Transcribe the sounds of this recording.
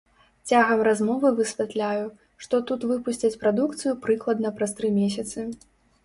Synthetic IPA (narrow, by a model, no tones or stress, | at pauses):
t͡sʲaɣɐmrazmɔvɨvɨsʲvʲɛt̪lʲaju | ʂt̪ɔt̪ut̪vɨpusʲt͡sʲɐt͡sʲpɾad̪ukt̪sɨjupɾɨklˠɐd̪nɐpɾast̪ɾɨmʲesʲɐt̪sɨ